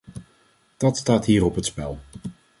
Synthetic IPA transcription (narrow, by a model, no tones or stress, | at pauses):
d̥ɑtstaːtɦiːɾɔpɦətspɛlˠ